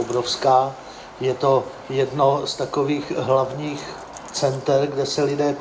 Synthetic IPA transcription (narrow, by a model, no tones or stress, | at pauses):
obɾofskaː | jɛt̪o̞ | jɛdno̞st̪akoviːxɦlavɲiːx | t͡sɛnt̪ɛɾɡdɛsɛlɪdɛː